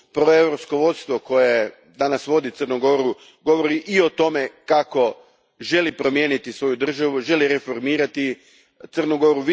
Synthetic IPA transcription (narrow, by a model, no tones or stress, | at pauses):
pɾo̞e̞ʋɾo̞psko̞ʋo̞t̪st̪ʋo̞ko̞je̞ | d̪anasʋo̞d̪it̪ər̩nuɡo̞ɾu | ɡo̞ʋo̞ɾiʔio̞t̪o̞me̞kako̞ | ʒe̞lipɾo̞mje̞ːnit̪isʋo̞jud̪r̩ʒaʋuʒe̞liɾe̞fo̞ɾmiːɾat̪i | t̪sɨrnuɡo̞ɾuʋ